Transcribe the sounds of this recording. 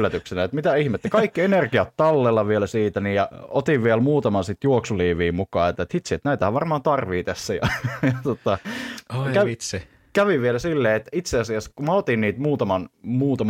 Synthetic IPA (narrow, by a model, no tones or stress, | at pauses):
æt̪yksenæet̪mit̪æihmet̪ːekɑikːienerkiɑt̪tɑlːelːɑʋielæsiːt̪ænijjɑot̪iʋʋielmuːt̪ɑmɑnsit̪juoksuliːʋiːmukɑːet̪ːet̪hit̪siet̪næit̪æhæʋʋɑrmɑːnt̪ɑrʋiːt̪æsːæjɑjɑt̪ot̪ɑ | kæ | kæʋiʋʋielæsilːeːet̪ːit̪seɑsiɑskumæot̪inniːt̪muːt̪ɑmɑnmuːt̪ɑm